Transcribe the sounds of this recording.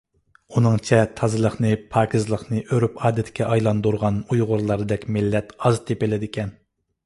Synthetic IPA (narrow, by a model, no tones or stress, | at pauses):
unɨŋt͡ʃʰɛt̪ʰɑzɨlˠəχnɨpʰɑːkʰʲɪzlˠəχnɨʔøɾypɑːd̪ɛt̪ʰkʲɛʔɑjlˠɑnd̪uɾʁɑnujʁʊɾlˠɑɾɨd̪ɛkʲmɪlːɛt̪ɑzt̪ʰepelɪd̪ɪkʲɛn